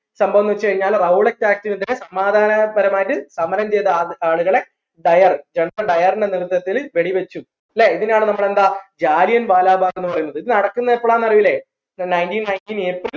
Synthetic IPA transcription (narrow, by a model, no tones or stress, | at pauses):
sɐmbʱɐʋɐnːɐʋt͡ɕːɨkɐɻiɲːaːlrɐuɭek̚tːaːk̚tːimiðinesɐmaːd̪ʱaːnɐbɐɾɐmaːjitːɨsɐmɐɾɐmt͡ɕe̞jt̪ːɐaːɭuɣɐɭe̞ | ɖɐjɐrd͡ʑeɳɖrɐɖɐjɐriɳɖenirut̪ːɐt̪ːilʋe̞ɽiʋet͡ɕːu | leːiðinaːɳɨnɐmːɐɭe̞nd̪aːd͡ʑaːlijɐnʋaːlaːbʱaːɣenːɨpɐrɐjunːɐðɨiðɨnɐɽɐkːunːɐepːoɭaːnːɐriʋile̞ | nɐjntinnɐjntiːnepːoːl